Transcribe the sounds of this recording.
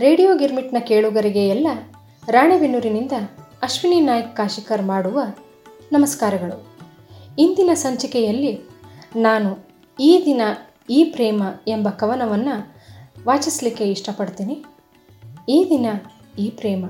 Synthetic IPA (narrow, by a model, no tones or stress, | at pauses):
ɾeːɽijoːɡiɾmiʈnɐke̞ːɭuɡɐɾiɡeɛlːɐ | ɾaːɳeʋinːuɾinind̪ɐɐʃʋiniːnaːjɐkkaːʃikɐɾmaːɽuʋɐ | nɐmɐskaːɾɐɡɐɭu | ind̪inɐsɐɲt͡ʃɐkɛjɐlːinaːnu | iːd̪inɐ | iːpɾɛːmɐembɐkɐʋɐnɐʋɐnːuʋaːt͡ʃislikːe̞iʂʈɐpɐɽt̪iːni | iːd̪inɐ | iːpɾɛːmɐ